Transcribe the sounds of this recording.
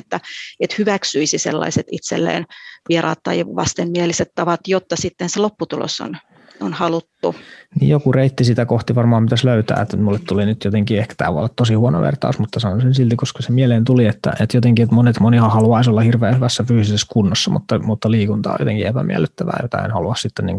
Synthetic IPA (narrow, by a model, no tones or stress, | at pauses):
et̪ːæet̪hyʋæksyisisḛlːɑ̰iset̪it̪sḛlːḛːnʋieɾɑ̰ːt̪ːɑiʋɑ̰st̪emmieliset̪tɑʋɑt̪jot̪ːɑsit̪ːenselopːut̪ulo̰so̰n | onhɑlut̪ːunḭːjjokureit̪ːisit̪ækoht̪iʋɑrmɑːmpit̪æsløyt̪æ̰ːet̪ːmulːet̪t̪ulinyt̪jot̪eŋkiehkæ̥t̪æ̰ːʋṵɑ̰lːɑt̪t̪osihuono̰ʋḛrt̪ɑ̰usmut̪ːɑsɑnonsensilt̪ikoskɑsemieleːnt̪uliet̪ːæ̰et̪jot̪eŋkiet̪monet̪monihɑhɑluɑisolːɑhirʋeːhyʋæsːæfyːsiseskunːosːɑmṵt̪ːɑmut̪ːɑliːkunt̪ɑ̰ːjo̰t̪eŋkiepæmiælːˑyt̪ːæʋæ̰ːjo̰t̪ɑ̰ḛnhɑluɑssit̪ːenḭːŋku